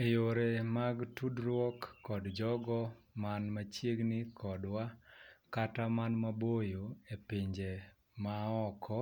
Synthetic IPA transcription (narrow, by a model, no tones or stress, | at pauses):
ejoɾemaɡtudɾwɔkːɔdd͡ʒɔɡɔmanmat͡ʃjeɡnɪkʰɔdwakatamanmabojoepiɲd͡ʒe | maɔkʰɔ